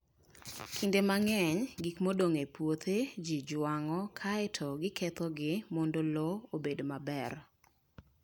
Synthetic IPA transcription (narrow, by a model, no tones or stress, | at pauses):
kʰindemaŋɛɲɡikmodoŋepwot̪ʰed͡ʒid͡ʒwaŋɔkʰaɛtʰɔɡɪkʰɛt̪ɔɡɪmɔndolɔobedomabɛr